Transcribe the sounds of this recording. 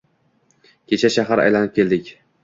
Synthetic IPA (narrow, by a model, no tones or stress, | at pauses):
kʲʰe̞t͡ʃʰaʃaɦaɾa̰jlanɪp̚kʰʲe̞ld̪ɪkʲ